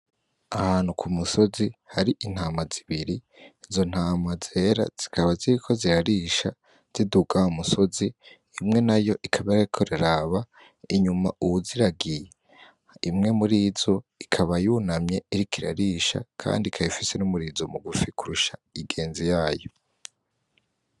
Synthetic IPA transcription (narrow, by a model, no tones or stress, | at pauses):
ahaːn̥hukʰumuso̞zihaɾiʔin̥haːmaziβiɾi | izo̞n̥haːmaze̞ːɾa̰z̥i̥kʰaβaziɾikʰo̞ziɾaɾiʃa | z̥iduɡaumusoziː | mŋe̞najo̞ʔikʰaβajaikʰoɾiɾaβa | iɲumaʔuuziɾaɡije | imŋe̞muɾiːzo̞ikʰaβajunamɲe̞iɾikiɾa̰ɾiʃa̰kʰa̰ːndikʰajifise̞numuɾizo̞muɡufikuɾuʃaiɡe̞ːnzijaːjo̞